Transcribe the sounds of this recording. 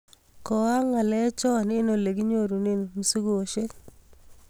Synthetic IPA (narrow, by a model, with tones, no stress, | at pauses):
kɔ˨wa˦ŋa˨lɛ˦t͡ʃɔ˦˨nɪ˦no˨le˨ɡi˦ɲo˦˨ɾu˨ne˦n˨mu˨su˦ɡo˦˨o˨ʃe˦k